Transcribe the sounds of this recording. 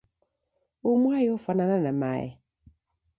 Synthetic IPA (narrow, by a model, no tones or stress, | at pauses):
umwajɔfanananama̰ɛ̰